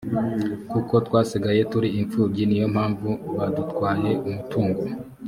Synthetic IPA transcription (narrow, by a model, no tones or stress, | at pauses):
kuko̞twaːsiɡaje̞tuɾiiɱfuːbɟinijo̞m̥haːɱvuβadutkwaːje̞ʔumutuːŋɡo